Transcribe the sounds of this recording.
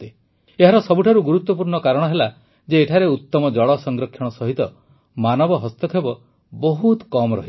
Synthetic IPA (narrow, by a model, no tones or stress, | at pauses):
t̪e | eɦaɾɔsɔbuʈʰaɾuɡuɾut̪wɔp̬uɾɳɔkaɾɔɽ̃ɔɦela | d͡ʒeːʈʰaɾeut̪ːɔmɔd͡ʒɔɭɔsɔŋɡɾɔkʰːjɔɽ̃ɔsɔɦit̪ɔ | manɔbɔɦɔst̪ɔkʰebɔ | bɔɦut̪kɔmɾɔ̰ɦi